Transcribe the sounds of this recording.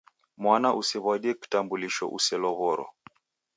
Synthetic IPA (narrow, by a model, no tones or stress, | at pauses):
mwanaʔusɛβwaɗiɛki̥tambuliʃɔ̰ʔṵsɛlɔβɔɾɔ̰